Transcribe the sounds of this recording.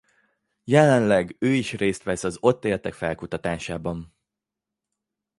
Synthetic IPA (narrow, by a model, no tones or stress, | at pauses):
jɛlɛnlɛɡøːiʃreːst̪ʋɛsɒzo̞t̪ːeːrt̪ɛkfɛlkut̪ɒt̪aːʃaːbɒn